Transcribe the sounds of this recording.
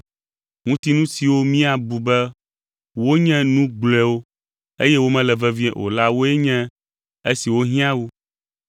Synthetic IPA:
ŋũ˦t̪i˦nũ˦si˨wo˦mĩ˦a˨bu˨bɛ˦ | wo˦ɲɛ̃˦nũ˦ɡ͡blɛ˨wo˦ | e˦jɛ˦wo˦mɛ̃˦lɛ˨vɛ˦vĩ˦ɛ̰̃˨ʔo̰˨la˦wo˦ɛ˦ɲɛ̃˦ | e˦si˨wo˦ɦĩ˦ã˦wu˦

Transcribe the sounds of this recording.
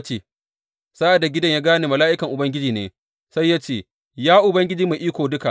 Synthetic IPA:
t͡ʃeː˨ | saː˦ʔa˨da˨ɡʲɪ˦dɐ˦ɲjaː˦ɡaː˦neː˨mɐ˨laː˦ʔɪ˦kɐ˨ŋʔʊ˨bɐ˦ŋɡʲɪ˦d͡ʒiː˨nḛː˨ | sa˦jːa˦t͡ʃeː˦˨ | jaː˦ʔʊ˨bɐ˦ŋɡʲɪ˦d͡ʒiː˦me˨ʔiː˦kʷoː˨dʊ˦ka˨ʔ

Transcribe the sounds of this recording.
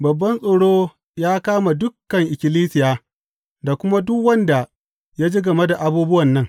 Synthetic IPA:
bɐ˨bːɐ˦nsʼoː˨ɽoː˦ | jaː˦kaː˦ma˨dʊ˦kːɐ˨ŋʔɪ˨kʲɪ˨liː˦sɪ˨jaː˦ | da˨kʷʊ˦ma˦dʊ˦kwɐ˦nda˨ | ja˦d͡ʒi˦ɡɐ˨me˦da˨ʔa˨buː˦bʊ˦wɐ˨nːɐ˦ŋ

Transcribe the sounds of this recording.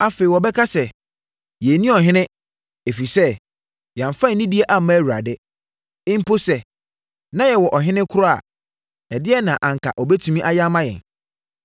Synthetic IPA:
a˦˨fe˨i˨wɔ˨bɛ˦kʰa˦sɛ˨ | jɛ˨nĩ˦ɔ˨ɦɪ̃˦nɪ̃˦ | e˨fi˨sɛ˦ | jã˨ɱ˨fã˦˨nĩ˦di˦e˦ʔa˦˨mã˦˨wu˨a̰˨dɛ˦ | ɪ̃˦m̩˦po˦sɛ˨ | nã˦jɛ˨wɔ˨ʔɔ˨ɦɪ̃˦nɪ̃˦kʰʊ˦ɾɔ˦a̰˨ | ɛ˨dɪ˦ɛ˦nã˨ʔã˨ŋ˨kʰa̰˨ʔɔ˨bɛ˦tʰũ˦mĩ˦ʔa˦ja˦mã˦jɛ̰̃˨n

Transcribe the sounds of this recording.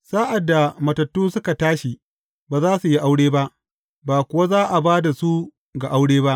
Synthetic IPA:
saː˦ʔa˨dːa˨mɐ˨tɐ˨tːuː˦sʊ˦ka˨taː˦ʃi˨ | baː˨zaː˦su˨ji˦ʔa˦wɽeː˦ba˦ʔ | baː˨kʷʊ˨wa˦zaː˦ʔa˨baː˦da˨su˦ | ɡa˨ʔa˦wɽeː˦ba˦ʔ

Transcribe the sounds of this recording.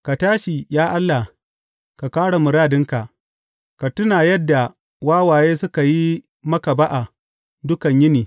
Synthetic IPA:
ka˨taː˦ʃi˨jaː˦ʔa˦lːa˨ | ka˨kaː˦ɽa˨mʊ˨ɽaː˦dɪ˦ŋka˨ʔ | ka˨tʊ˦na˨jɐ˦dːa˨ | waː˦waː˨jeː˦sʊ˦ka˨ji˦ | mɐ˦ka˨ba˦ʔa˨ | dʊ˦kɐ˨ɲjɪ˦niː˨

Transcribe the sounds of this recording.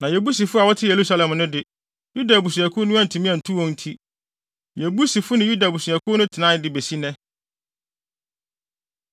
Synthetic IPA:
nã˨jɛ˨bu˦s̬i˨fʊ˦a˨wɔ˦tʰɪ˦je˨ɾu˦sa˦lɛ̃˨mnʊ̃˦dɪ˦ | ju˦da˨bu˨s̬ũ˨ɛ˨kʰʊ˦nʊ̃˦a˦˨n˨tʰũ˨mĩ˦æ˨n̩˨tʰũ˦wɔ̃˦n̩˦tʰi˦ | jɛ˨bu˦si˨fʊ˦nɪ̃˨ju˦da˨bu˨su˨ɛ˨kʰʊ˦nʊ̃˦tʰɪ˨nã˦dɪ˨be˨si˦nɛ̃˦

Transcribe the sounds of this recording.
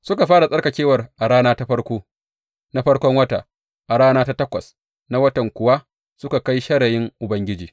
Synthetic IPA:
sʊ˦ka˨ɸaː˦ɽa˨sʼɐ˦rkɐ˨kʲeː˦wɐ˨rʔa˨ɽaː˦naː˦ta˦ɸɐ˦ɽkʷoː˦ | na˦ɸɐ˦ɽkʷɔ˦ŋwɐ˦ta̰˨ | ʔa˨ɽaː˦naː˦ta˦tɐ˦kʷɐ˨s | na˦wɐ˦tɐ˨ŋkʷʊ˨wa˦ | sʊ˦ka˨ka˦jʃɐ˦ɽɐ˨jɪ˦ŋʔʊ˨bɐ˦ŋɡʲɪ˦d͡ʒiː˨

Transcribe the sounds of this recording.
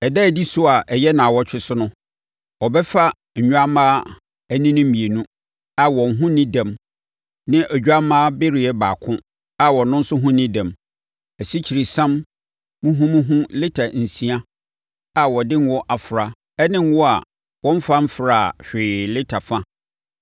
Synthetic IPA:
ɛ˨dɛ˦˨di˦sʊ˦a˨ʔɛ˨jɛ˦nã˨wɔ˦t͡ɕᶣɪ˦sʊ˦nʊ̃˦ | wɔ˨bɛ˦fa˦ | ɲ̩˨ɲᶣ˦a˦mãː˦ | æ˦nĩ˦nʊ̃˦mĩ˨e˨nũ˦ | a˨wɔ̃˨nɦʊ̃˦nɪ̃˦dã˨m | nɪ̃˦ʔæ˨u˦a˦mãː˦bɪ˦ɾɪ˨ɛ˦ba̰ː˨kʰʊ̃˦ | a˨wɔ̃˨nʊ̃˦n̩˦sʊ˦ɦʊ̃˦nɪ̃˦dã˨m | æ˨si˦t͡ɕʰi˨ɾi˨sã˦m | mũ˦ɦũ˦mũ˦ɦũ˦lɪ˦tʰa˨n̩˨sĩ˦ã˦ | a˨wɔ˨dɪ̃˦n˦wɔ˦ʔa˨fʊ˨ɾa˨ | ɛ˦nɪ̃˦n˦wɔ˦a˨ | wɔ̃˦m˦fã˦m̩˦fɾa˦˨ɕᶣɪː˨lɪ˦tʰa˨fã˦

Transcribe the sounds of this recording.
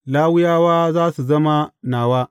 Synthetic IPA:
laː˦wʊ˦jaː˦waː˦zaː˦su˨zɐ˦ma˦naː˨waː˦

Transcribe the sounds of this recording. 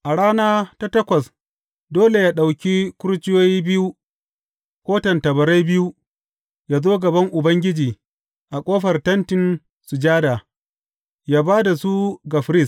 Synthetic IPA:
ʔa˨ɽaː˦naː˦ta˦tɐ˦kʷɐ˨s | doː˦le˨jaː˦ɗa˨wkʲi˦kʷʊ˦ɾt͡ʃɪ˦joː˦jiː˦bɪ˦ju˦ | kʷoː˦tɐ˨ntɐ˨bɐ˨ɾa˦jbɪ˦ju˦ | jaː˦zoː˦ɡɐ˨bɐ˦ŋʔʊ˨bɐ˦ŋɡʲɪ˦d͡ʒiː˨ | ʔa˨kʷʼoː˦ɸɐ˨rtɐ˦ntɪ˨n | su˨d͡ʒaː˦da˨ | jaː˦baː˦da˨su˦ɡa˨ɸɪ˦ɾɪ˦s

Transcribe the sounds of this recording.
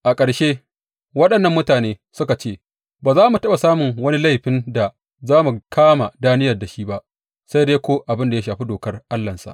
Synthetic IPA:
ʔa˨kʼɐ˨ɽʃeː˦ | wɐ˦ɗɐ˨nːɐ˦˨mːʊ˦taː˨neː˦sʊ˦ka˨t͡ʃeː˦˨ | baː˨zaː˦mu˨tɐ˦ɓa˨saː˦mʊ˨ŋwɐ˦ni˦la˦jɸɪ˦nda˨ | zaː˦mu˨kʰaː˦ma˨daː˦nɪ˦jɐ˨rda˨ʃiː˦ba˦ʔ | sa˦jdeː˦kʷoː˦ʔa˨bɪ˦nda˨ja˦ʃaː˨ɸi˦doː˨kɐ˦rʔa˦lːɐ˨nsa̰˨ʔ

